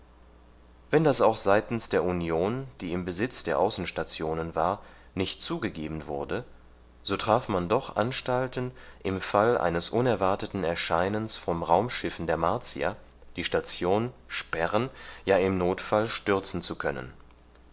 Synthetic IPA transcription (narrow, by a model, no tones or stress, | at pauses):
vɛndasaʊxz̥aɪtn̩sd̥eːɐʔunjoːnd̥iːɪmbəzɪt͡sd̥eːɐʔaʊsn̩ʃtat͡sjoːnənvaːɐ | nɪçtt͡suːɡəɡeːbn̩vʊ̰ɐdə | z̥oːtʁ̥aːfmandɔχʔa̰nʃtaltənʔɪmfalʔa̰ɪnəsʔʊnɛɐvaɐtətn̩ɛɐʃaɪnənsfɔmʁaʊmʃɪfn̩deːɐmaɐt͡sḭa̰ | d̥iːʃtat͡sjoːnʃpɛʁənjaːɪmnoːtfalʃtʏɐt͡sn̩t͡sukʰœnə̰n